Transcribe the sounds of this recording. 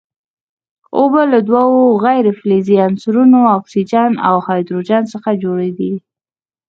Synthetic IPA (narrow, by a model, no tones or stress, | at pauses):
obəlad̪wɑwoɣajɾefleziansɾunoɑksid͡ʒɑna̰whɑjd̪ɾod͡ʒɑnsəxad͡ʒoɽed̪i